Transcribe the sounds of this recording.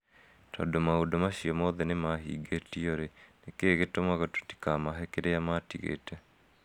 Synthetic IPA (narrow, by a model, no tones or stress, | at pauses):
tʰɔ̰domaodɔmaɕijɔmɔðɛnemahḭɡetiɔɾenekeɣetomaɣɔto̥ti̥kamaɦɛkeɾeamatḭɣḛtɛ